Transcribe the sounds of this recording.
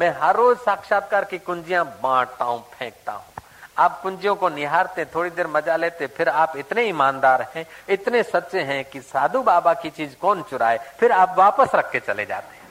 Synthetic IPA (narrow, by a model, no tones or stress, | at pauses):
mɛ̃ɦɐɾːoːzsaːkʃaːt̪̚kaːɾkikʊ̃ɲd͡ʒijãbãːʈt̪aːɦũpʰɛ̃ːk̚t̪a̰ɦũ | aːp̚kʊ̃ɲd͡ʒijõkonɪɦaːɾt̪eɦɛ̃t̪ʰoːɽid̪eːɾmɐd͡ʒaleːt̪epʰɪɾaːpɪt̪neɪmãːnd̪aːɾɦɛ̃ɪt̪nesɐtːʃeɦɛ̃kisaːd̪ʱubaːbakit͡ʃiːzkɔːnt͡ʃʊɾa̰ːepʰɪɾaːpʋaːpəsɾɐkʰːet͡ʃɐlḛd͡ʒa̰ːt̪eɦɛ̃